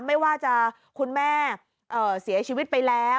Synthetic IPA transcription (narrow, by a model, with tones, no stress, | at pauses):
ma˥˩jwaː˥˩t͡ɕa˨˧˩ | kʰu˧nmɛː˥˩ | ʔɤː˨˩si˩˦ɐt͡ɕʰiː˧wi˦˥t̪̚pa˧jlɛː˦˥